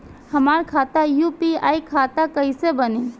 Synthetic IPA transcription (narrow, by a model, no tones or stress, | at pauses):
həmaːɾkʰaːt̪ajupiaːikʰaːt̪akəisebəni